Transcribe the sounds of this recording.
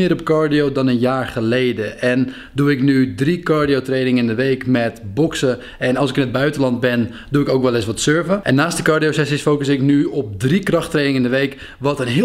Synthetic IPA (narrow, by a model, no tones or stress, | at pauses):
ɪːɾɔp̚kɔɹdiowdɔnənjaːɹχəlejdəʔɛn | duɪknydrikɔɹdijotrejnɪŋɪndəʋejkmɛtbɔksə | ɛnɑlˠsɪkɪnəd̚bœɥtəlɑnd̚bɪn | duɪkowkʋɛlˠɪsʋɔtsøɹvəʔɛ̰nːaːstdəkɑɹdijosɛsisfoːkəsɪknyɔp̚drikrɑxtreːnɪŋəndəʋejk | ʋɔtənɦɪ